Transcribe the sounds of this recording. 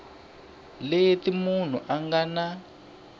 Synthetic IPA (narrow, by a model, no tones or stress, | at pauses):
lejetimun̤uʔaŋɡana